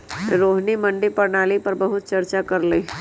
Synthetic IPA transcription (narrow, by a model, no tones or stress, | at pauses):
ɾoːɦnimɐ̃ɳɖipɐɾnaːlipɐɾbɐɦʊt̪̚t͡ʃɐɾt͡ʃakɐɾleː